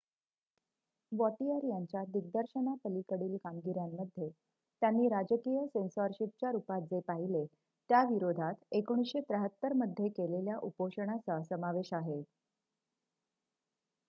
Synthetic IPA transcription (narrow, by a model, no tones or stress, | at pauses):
ʋɔʈiəɾjaɲt͡ɕjad̪iɡ̚d̪əɾɕəɳap̪əlikəɽiːlkamɡiɾjamːəd̪ʱːje | t̪janːiːɾad͡ʑəkijəsensaɾɕip̚t͡ɕjaɾupat̪̚d͡zepaɦile | t̪jaʋiɾod̪ʱat̪ekoɽ̃isɕet̪ɾəɦət̪ːəɾməd̪ʱːjekeleljaʔupoɕəɳ̃at͡sasəmaʋeɕaɦe